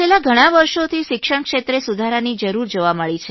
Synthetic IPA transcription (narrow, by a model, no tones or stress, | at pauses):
elaɡʱəɽ̃aʋəɾʃot̪ʰiʃɪkʃəɳ̃kʃet̪ɾesud̪ʱaɾanid͡ʒəɾuɾd͡ʒoʋaməɭit͡ʃʰe